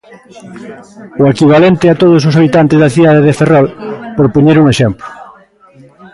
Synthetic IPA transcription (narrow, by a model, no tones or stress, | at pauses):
ʊekiβ̞alent̪ɪat̪oð̞ʊs̬ʊs̬aβit̪ant̪ezðaθiðaðeðeferɔlpoɾpoɲeɾuŋeʃemplʊ̥